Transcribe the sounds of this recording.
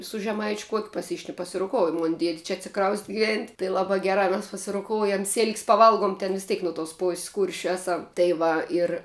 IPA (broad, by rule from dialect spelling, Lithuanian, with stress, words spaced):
sʊ ʒʲɛˈmɐɪt͡ʃʲʊ ˈkuɔkʲʊ pɐˈsʲɪʃn pɐsʲɪroːˈkoːʊjʊ ˈmoːn ˈdʲiɛtʲ t͡ʃʲɛ ɐtʲsʲɪˈkrɐʊsʲtʲ ɡʲɪˈʋʲɛnʲtʲ tɐɪ ˈlˠɑːbɑː ˈɡʲæːrɑː mʲɛs pɐsʲɪroːˈkoːʊjɛm sʲɪlʲkʲsʲ pɐˈʋɐlˠɡʊm tʲɛn ʋʲɪs ˈtʲeːk noː toːs ˈpoːsʲsʲ ˈkuːrʲʃʲʊ ˈæːˌsɐm tɐɪ ˈʋɐ ɪr